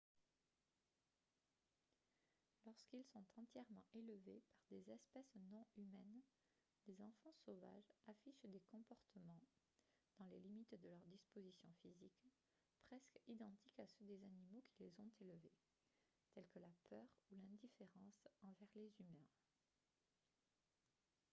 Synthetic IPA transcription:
lɔʁskilsɔ̃t̪ɑ̃t̪jɛʁmɑ̃ʔeləvepaʁd̪ezɛspɛsnɔ̃ymɛn | lezɑ̃fɑ̃sova̰ʒafiʃd̪ekɔ̃pɔʁt̪əmɑ̃ | d̪̥ɑ̃lelimit̪d̪əlœʁd̪ispozisjɔ̃fizik | pχɛskid̪ɑ̃t̪ikasød̪ezanimokʰʲilezɔ̃t̪eləve | t̪ɛlkəlapʰœʁulɛ̃d̪ifeʁɑ̃sɑ̃vɛʁlezymɛ̃

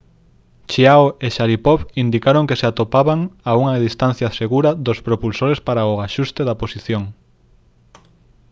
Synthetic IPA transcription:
t͡ʃiaweʃaɾipɔβind̪ikaɾoŋkeseat̪opaβaŋauŋaðist̪anθjaseɣuɾɐðospɾopulsoɾespaɾaoaʃust̪eðaposiθjoŋ

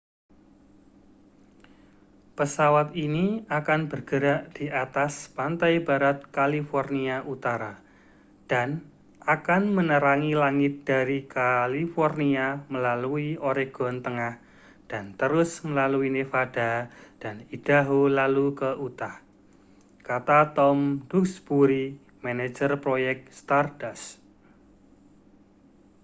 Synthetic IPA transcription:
pəsawat̪iniakanb̥ərɡ̥əɾaʔd̥iʔat̪aspant̪ajbaɾat̪̚kalifɔrniaʔut̪aɾa | d̥an | ʔakanmənəɾaŋilaŋɪt̪̚d̥aɾikalifɔrniaməlaluiʔoɾeɡ̥ɔ̤nt̪əŋah | d̥ant̪əɾʊsməlaluinefad̥a̤d̥anid̥a̤ɦulalukəʔut̪ah | kat̪at̪ɔmdʊksbuɾi | maned͡ʒərpɾojɛk̚t̪st̪ardas

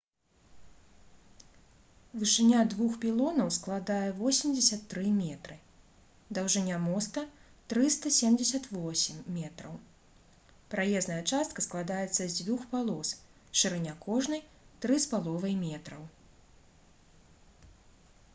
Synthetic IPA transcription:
vɨʂɨnʲad̪vuxpʲilˠɔnɐwsklˠad̪ajɛvɔsʲimd͡zʲɐsʲɐt̪ːɾɨmʲɛt̪ɾɨ | d̪ɐwʐɨnʲamɔst̪ɐ | t̪ɾɨst̪ɐsʲɛmd͡zʲɪsʲɐt̪vɔsʲimːʲɛt̪ɾɐw | pɾajɛznɐjɐt͡ʂast̪̚kɐsklˠad̪ajɛt̪sːɐzʲvʲuxpalˠɔs | ʂɨɾɨnʲakɔʐnɐj | t̪ɾɨspalˠɔvɐjmʲɛt̪ɾɐw

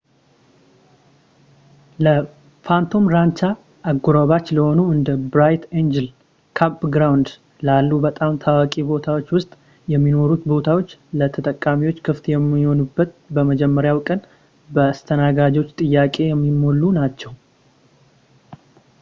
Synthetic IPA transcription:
lə | fant̪ʰo̞mɾant͡ʃa | ʔːɡuɾoβat͡ʃːləho̞nuɨnd̪əbɾajt̪end͡ʒɛl | kʰapɡɾawnd̪ | lalːubət̪ʼamt̪ʰawakʼibo̞t̪ʰawo̞t͡ʃːwʊst̪ʼ | jɛmːino̞ɾut̪bo̞t̪ʰawo̞t͡ʃːlət̪ʰət̪ʼəkʼːamiwo̞t͡ʃːkʰɨft̪jɛmːiho̞nubːət̪bəməd͡ʒɛmːəɾjawkʼən | bəast̪ʰənaɡad͡ʒo̞t͡ʃːt̪ʼɨjːakʼe̞jɛmːimːo̞lːunat͡ʃːɛw

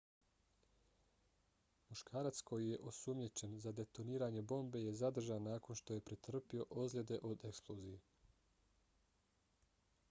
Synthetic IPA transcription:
muʃkʰaːɾat̪skʰo̞jije̞ʔo̞sumɲet͡ɕe̞nzad̪e̞t̪o̞niːɾaːɲebo̞mbe̞je̞zad̪r̩ʒanːaːko̞nʃt̪o̞je̞pɾet̪r̩pio̞ʔo̞zlʲed̪e̞ʔo̞d̪e̞ksplˠozije

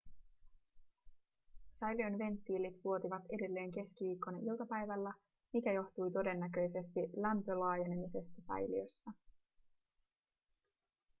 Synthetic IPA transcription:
sɑjlio̞nʋe̞nt̪ːiːlit̪ʋuo̞t̪iʋɑt̪e̞de̞lːe̞ːŋke̞skiʋiːkːo̞nilt̪ɑpæjʋælːæ | mikæjo̞ht̪ujt̪o̞de̞nːæk̬ø̞jse̞st̪ilæmpø̞lɑːjene̞mise̞st̪æsɑ̰jliosːɑ

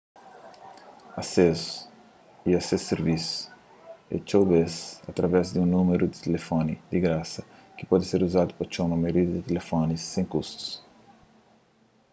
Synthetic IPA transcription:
ases | iaseseɾvisu̥ | ḛt͡ʃowbesa̰t̪ɾɐvɛzd̪iũnumeɾud̪it̪elefonid̪iɡɾasɐki̥pɔd̪iseɾuzad̪upɐt͡ʃownumeoɾid̪ɐd̪it̪elefɔnisːẽŋ̃kust̪u̥s

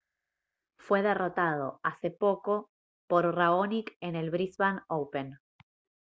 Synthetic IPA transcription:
fwe̞ðe̞ro̞t̪að̞o̞̰asepo̞ko̞ | poɾraonikene̞lβɾisβanowpen

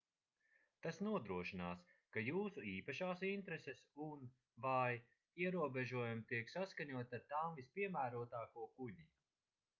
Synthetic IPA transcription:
t̪asnuɔd̪ɾuɔʃinaːskajuːsuiːpaʃaːsint̪ɾesesun | vaj | iɛɾuɔbeʒuɔjumt̪iɛksaskaɲuɔt̪ʲaɾt̪aːmvispʲiɛmæːɾuɔt̪aːkuɔkuɲi

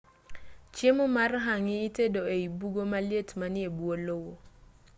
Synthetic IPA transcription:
t͡ʃemumarɦaŋɪːtedoeibuɡomaljetmaniebuolowo

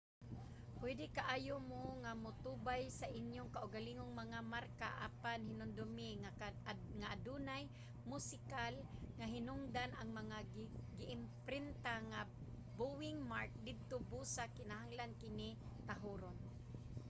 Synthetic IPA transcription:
pwɛd̪ɪkaʔaːjomoŋamʊt̪ubajsaʔɪnjʊŋkaʔʊɡaliŋoŋmaŋamarka̰ʔa̰panɦɪnʊnd̪ʊmɪ | ŋaʔadunaj | mʊsɪkalŋaɦɪnʊŋd̪anaŋmaŋaɡɪʔɪmpɾɪnt̪aŋa | buwɪŋmaɹk̚d̪ɪd̪̚t̪obusakɪnaɦaŋlankɪnɪ | t̪aɦuɾon

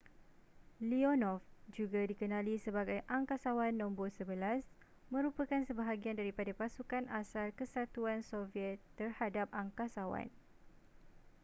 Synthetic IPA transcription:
liɔnɔfd͡ʒuɡadikənãlisəbaɡajʔaŋkasawanːɔ̃mbɔsəbəlas | mə̃ɾupakansəbaɦaɡiandaɾipadapasukanʔasalkəsat̪uansofiɛt̪ːərhadap̚ʔaŋkasawa̰n

